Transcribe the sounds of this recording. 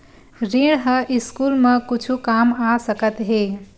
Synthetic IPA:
ɾiɽɦəʔɪskuːlmə̃kʊt͡ʃʰukaːmasəkət̪ɦeː

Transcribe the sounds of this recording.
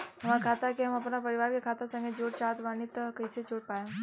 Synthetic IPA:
ɦəmaɾkʰat̪akeɦəməpnapəɾiʋaɾkekʰat̪asə̃ŋɡʱed͡ʒoɽt͡ʃat̪ʋanit̪ːkəjset͡ʃoɽpajã

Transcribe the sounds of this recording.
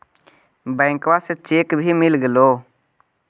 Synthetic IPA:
bɛ̃ːŋkʋaːset͡ʃeːkbʱiːmɪlɡəloː

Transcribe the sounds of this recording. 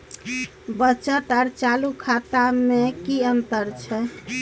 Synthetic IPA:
bət͡ʃət̪aɾt͡ʃalukʰat̪amekiənt̪əɾt͡ʃʰɛ

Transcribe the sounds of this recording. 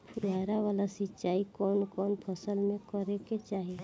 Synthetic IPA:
d̪ʱaːɾaʋaːlasɪtːt͡ʃaːikɔːnkɔːnpʰəsəlmẽkəɾeket͡ʃaːɦie

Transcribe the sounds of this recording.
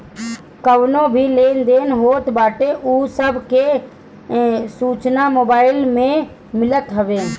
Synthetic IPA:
kəwnõbʱileːnd̪eːnɦoːt̪baːʈeʔuːsəbʱke | suːt͡ʃnamoːbaːɪlmẽ | mɪlət̪ɦəʋeː

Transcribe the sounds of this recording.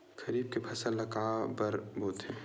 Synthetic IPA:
kɐɾiːb̚kepʰɐsəlːɐkaːbɐɾbʱuːt̪ɦɛ̃

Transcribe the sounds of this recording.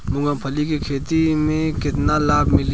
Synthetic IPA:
mʊ̃ɡãpʰəlikikʰeːt̪imẽkɪt̪nalaːɡmɪl

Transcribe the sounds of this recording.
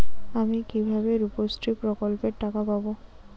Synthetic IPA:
amikibʱabeɾupostɹipɹɔkɔlpeʈːakapabo

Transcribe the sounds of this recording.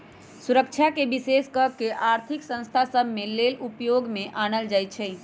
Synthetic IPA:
suɾək̚t͡ʃʰakebiseskəkeʔaɾt̪ʰiksə̃ñst̪ʰasəbʱmelelupjoɡmeʔañəld͡ʒajt̪t͡ʃʰɛ

